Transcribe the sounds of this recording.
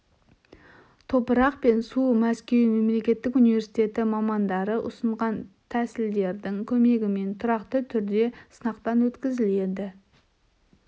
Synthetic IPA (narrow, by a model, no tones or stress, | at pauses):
t̪ʰo̞pəɾɑqpe̞nsumæskʲe̞wme̞mle̞kʲe̞t̪ːɪkunive̞ɾsit̪e̞t̪ɪmɑmɑnd̪ɑɾəʔʊ̰səɴʁɑnt̪ʰæsɪld̪e̞ɾd̪ɪŋkʲʰɵme̞ɡʲɪme̞nt̪ʰʊɾɑqt̪ət̪ʰʏɾd̪e̞sənɑqt̪ɑnwɵt̪kʲɪzɪle̞d̪ɪ